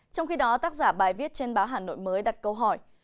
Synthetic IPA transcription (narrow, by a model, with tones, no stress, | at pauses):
t͡ɕɔ˧wŋ͡mxi˧ɗɔ˨˦t̪aː˦˥k̚zaː˧˩ɓaː˨˩jvi˦˥ət̚t͡ɕe˧nɓaː˨˦wɦaː˨˩no̰˧˨jməː˨˦jɗa˨˩t̚kə˧wɦɔ˧˩j